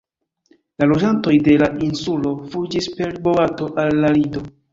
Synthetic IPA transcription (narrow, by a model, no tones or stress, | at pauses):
lalo̞d͡ʒanto̞jde̞laʔinsulo̞fud͡ʒispe̞ɾboato̞ʔalːaɾido̞